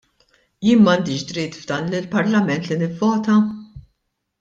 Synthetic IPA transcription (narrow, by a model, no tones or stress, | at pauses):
jɪːnmɐːnd̪iːʃd̪ɾɪːt̪vd̪ɐːnlɪlpɐɾlɐmɛnt̪lɪnɪvːɔːt̪ɐ